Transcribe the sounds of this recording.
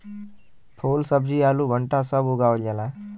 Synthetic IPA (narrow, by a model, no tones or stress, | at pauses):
pʰoːlsəbd͡ʒiːaːluːbʱəɳʈaːsəbʊɡaːold͡ʒəlaː